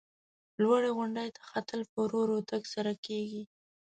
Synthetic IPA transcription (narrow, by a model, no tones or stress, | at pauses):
lwaɽeɣʊɳɖajt̪ʰḁxat̪əlpəɾoɾot̪aɡsaɾakeɡi